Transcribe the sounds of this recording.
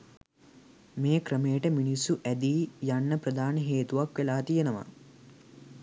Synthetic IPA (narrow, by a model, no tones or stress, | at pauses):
meːkɾəmeːʈəminisuʔæd̪iːjanːəpɾəd̪aːnəɦeːt̪uʋakʋelaːt̪ijenəʋa̰